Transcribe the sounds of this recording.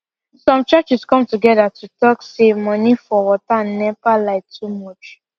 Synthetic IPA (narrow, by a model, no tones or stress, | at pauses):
sɔ̃mt͡ʃat͡ʃiskɔ̃mtuɡɛdatutɔksemɔ̃nifɔwɔtanɛvalaɪk̚tʰumɔt͡ʃ